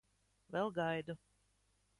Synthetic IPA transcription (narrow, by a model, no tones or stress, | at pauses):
vɛlˠɡajd̪u